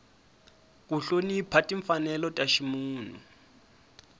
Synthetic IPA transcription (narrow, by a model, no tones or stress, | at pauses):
k̬uɬoniːpʰatʼiɱfanɛlɔtʼaʃimuːn̤ṵ